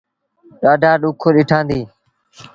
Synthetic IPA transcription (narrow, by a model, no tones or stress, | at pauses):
ɗaːɖʱaːɗuːkʰoːɗɪʈʰãːnd̪iː